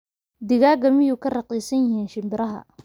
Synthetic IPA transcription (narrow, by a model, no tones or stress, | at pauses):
d̪ɪɣaːɡɐmɪjuːkʰɐrɑqiːsɐnjɪɦiːnʃɪmbɪɾɐɦɐ̰